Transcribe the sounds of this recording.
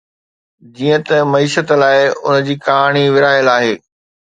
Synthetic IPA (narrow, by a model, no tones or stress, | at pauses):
d͡ʑiːə̃t̪ɐmɐiːʃət̪laːɪʊ̰n̆d͡ʑiːkaːɽ̃iʋɪɾaːɦɪəlaːɦeː